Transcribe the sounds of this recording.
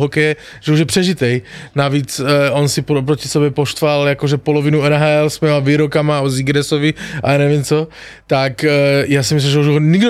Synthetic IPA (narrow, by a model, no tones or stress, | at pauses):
ɦɔkɛjɛ | ʒ̥ɛuʒjɛpr̥ɛʒit̪ɛjnaviːt͡sʔonsipɾop̬ɾoci̥sɛbjɛpoʃt̪ʋaljakoʒɛpolɔvinuɛnɦaːɛlsmɛːmaviːɾokamauziɡɾɛsovia̰jaːnɛvimt͡so | t̪akjaːsimis̬limʒɛuʒɦoɲiɡdo